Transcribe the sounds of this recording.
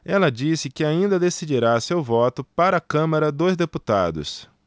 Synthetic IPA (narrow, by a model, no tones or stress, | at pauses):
ɛlɐd͡ʒisɪkɪaĩnd̪ɐd̪esid͡ʒiɾasewvɔt̪ʊpaɾɐaːkɐ̃mɐɾɐd̪ozd̪eput̪a̰d̪ʊ̰s